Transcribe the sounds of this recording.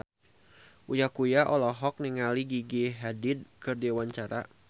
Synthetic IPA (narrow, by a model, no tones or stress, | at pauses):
ʔujakujaʔɔlɔɦɔk̚niŋaliɡiɡiɦadɪd̚kɨrdiwaɲt͡ʃaɾa̰